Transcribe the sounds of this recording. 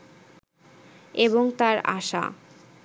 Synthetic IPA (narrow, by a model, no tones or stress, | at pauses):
eβoŋt̪aɾa̰ʃa̰